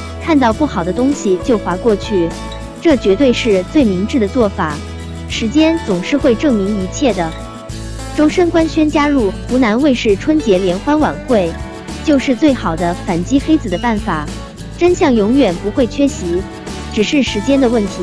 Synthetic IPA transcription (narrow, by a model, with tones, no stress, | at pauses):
kʰa˥˧nt̪ɑ˥˧ʊpu˥˩xɑ˨˩ʊd̪ə˦t̪ʊ˥ŋɕi˨t͡ɕjo˥˩ʊxwa˧˥kwɔ˥˧t͡ɕʰy˥˩ | ʈ͡ʂɤ˥˩t͡ɕɥɛ˧˥t̪we˥˧ɪʂɻ̩˥˧t͡swe˥˩ɪmi˧˥ŋʈ͡ʂɻ̩˥˩d̪ə˩t͡swɔ˥˩fa˨˩˦ | ʂɻ̩˧˥t͡ɕjɛ˥nt͡sʊ˨˩ŋʂɻ̩˥˧xwe˥˧ɪʈ͡ʂɤ˥˩ŋmi˧˥ŋi˧˥t͡ɕʰjɛ˥˩d̪ə˩ | ʈ͡ʂo˥ʊʂə˥nkwa˥nɕɥɛ˥nt͡ɕja˥ɻu˥˩xu˧˥na˧˥nwe˥˧ɪʂɻ̩˥˩ʈ͡ʂʰwə˥nt͡ɕjɛ˧˥ljɛ˧˥nxwa˥nwa̰˨˩nxwe˥˩ɪ | t͡ɕjo˥˧ʊʂɻ̩˥˧t͡swe˥˩ɪxɑ˨˩ʊd̪ə˦fa˨˩nt͡ɕi˥xe˥ɪt͡sɹ̩˨˩d̪ə˦pa˥˩nfa˨˩˦ | ʈ͡ʂə˥nɕjɑ˥˩ŋjʊ˧˥ŋjɥɛ˨˩npu˧˥xwe˥˩ɪt͡ɕʰɥɛ˥ɕi˧˥ | ʈ͡ʂɻ̩˨˩ʂɻ̩˥˩ʂɻ̩˧˥t͡ɕjɛ˥nd̪ə˨wə˥˩nt̪ʰi˧˥